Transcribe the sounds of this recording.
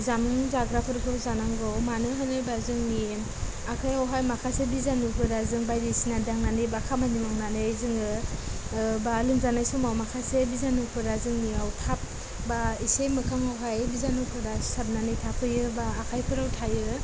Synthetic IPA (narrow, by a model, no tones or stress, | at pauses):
zamŋzaɡɾapʰɯɾpʰɯɾzanaŋɡɔmanɯɦanɯjbazɯŋni | akʰajawɦajmakʰasebizanupʰɯɾazɯŋbajdisinadaŋnanɯbakʰamanimawnanɯjzɯŋɯ | balɯmzanajsumawmakʰasebizanɯpʰɯɾazɯŋniawtʰap̚ | baisejmɯkʰaŋawɦajbizanɯwpʰɯɾasap̚nanɯjtʰapʰɯjɯbaːkʰajpʰɯɾawtʰajɯ